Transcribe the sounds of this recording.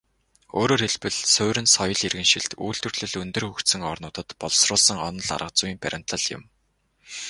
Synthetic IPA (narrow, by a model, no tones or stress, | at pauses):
o̰ːɾoːrxeɮpɘ̆ɮsʊːɾɘ̆nsɔjɞ̆ɮirɣɘ̆nʃiɮt̪uːɬt̪ɵ̆rɮɘ̆ɮɵnt̪ɵ̆rxukt̪sɘ̆ŋɔrnʊːt̪ə̆t̪pɔɮsrʊːɮsə̆ŋɔnɞ̆ɮa̰rʁə̆q̚t͡suiːmpæɾʲɪ̆n̥t̪ə̆ɮjʊ̰̆m